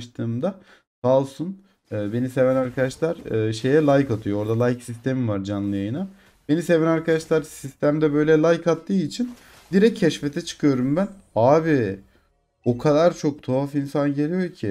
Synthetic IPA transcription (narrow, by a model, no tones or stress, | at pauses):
ʃt̪ʰɯːmd̪a | kalˠsun | ɯːbe̞nise̞vɛnaɾkʰad̪aʃlˠaɾ̥ɯːʃe̞jɛlˠajkat̪ʰɯjoo̞ɾd̪alˠajksist̪ʰe̞mivaɾd͡ʒanlˠɯjajɯna | be̞nise̞vɛnaɾkad̪aʃlˠaɾsist̪ʰæmd̪ɛbø̞jlʲɛlˠajkʰat̪ːɯːit͡ʃʰin | d̪iɾɛcʰːɛʃfet̪ʰɛt͡ʃʰɯ̥kʰɯjo̞ɾumbæn | aːbi | o̞kʰad̪aɾt͡ʃʰo̞k̚t̪ʰoafinsanɟe̞lʲijo̞ɾcʰi